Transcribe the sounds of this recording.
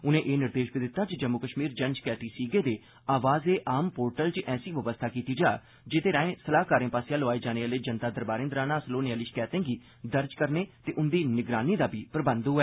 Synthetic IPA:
ʊnẽːʔeːnɪɾd̪eːʃbid̪ɪt̪ːaːt͡ʃd͡ʒəmːʊkəʃmiːɾd͡ʒənskɛːt̪iːsiːɡeːd̪eː | aːʋaːzeːʔaːmpoːɾʈəlt͡ʃʔɛːsiːʋəʋəst̪ʰaːkiːt̪iːd͡ʒaː | d͡ʒet̪eːɾãːẽːsəlaːkaːɾẽːpaːsɪjaːloaːiːd͡ʒaːneːaːleːd͡ʒənt̪aːd̪əɾbaːɾẽːnd̪ɾaːnãːsəloːneaːliːt͡ʃkɛːt̪ẽːɡiː | d̪əɾd͡ʒkəɾneːt̪eːʔʊnd̪iːnɪɡɾaːniːd̪aːbʱiːpɾəbə̃nd̪ɦʊɛː

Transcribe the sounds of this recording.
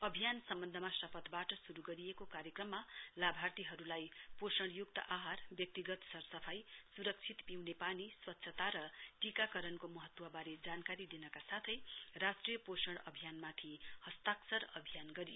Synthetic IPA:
ʌbʱijansʌmbʌnd̪ʱʌmasʌpʌt̪baʈʌsuɾuɡʌɾiekokaɾjʌkrʌmːalabʱart̪iɦʌɾulajposʌɽ̃juk̚t̪ʌ̰ʔaɦarbjʌk̚t̪iɡʌt̪sʌrsʌpʰajsuɾʌk̚t͡sʰit̪piwnepaniswʌt̪ːsʰʌt̪aɾʌʈikakʌɾʌnkomʌɦʌt̪ːwʌbaɾed͡zankaɾid̪inʌkasat̪ʰʌjrasʈrijʌposʌɽ̃ʌbʱijanmat̪ʰihʌst̪aksʌɾʌbʱijanɡʌɾijo

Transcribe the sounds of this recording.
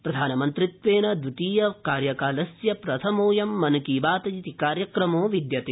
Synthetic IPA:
pɾɐd̪ʱaːnɐmɐnt̪ɾit̪ʋeːnɐd̪uʈiːjɐkaːɾjɐkaːlɐsjɐpɾɐt̪ʰɐmoːjɐmːɐnkiːbaːt̪ɐjit̪ikaːɾjɐkɾɐmoːʋid̪jɐt̪eː

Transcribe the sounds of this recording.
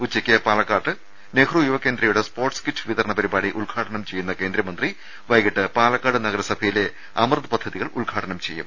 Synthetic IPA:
ut͡ɕːɐkʲːɐpaːlɐkːaːʈːɨ | neːkʰrujuʋɐkːe̞ːnd̪ɾɐjuɽespo̞ːrʈskiʈːɨʋiðɐɾɐɳɐpɐɾibaːɽiʔuɭɡʱaːʈɐɳɐmt͡ɕejːunːɐke̞ːnd̪ɾɐmɐnd̪ri | ʋɐjɣiʈːɨpaːlɐkːaːʈɨnɐɣɐɾɐsɐbʱɐjile̞ | ɐmrɨðɨpɐd̪ʱːɐðiɣɐɭuɭɡʱaːʈɐɳɐmt͡ɕe̞̰jːṵm

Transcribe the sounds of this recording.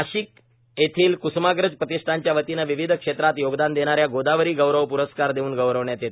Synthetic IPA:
əɕiːk | et̪ʰiːlkusmaɡɾəd͡zpɾət̪isʈ̪ʰaɲt͡ɕjaʋət̪inəʋiʋid̪ʱəkʂet̪ɾat̪joɡd̪and̪eɽ̃aɾjaɡod̪aʋəɾiːɡəwɾəʋpuɾəskaɾd̪eʋuːnɡəwɾəʋɳjat̪jet̪ː

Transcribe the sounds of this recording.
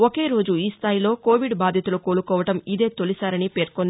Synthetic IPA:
oke̞ːɾo̞ːd͡ʒuiːst̪ʰaːjilo̞ːko̞ːʋiɖbaːd̪ʱjɐt̪uluko̞ːɭukɔːʋɐʈɐmid̪e̞ːt̪olisaːɾɐnipe̞ːɾkond̪

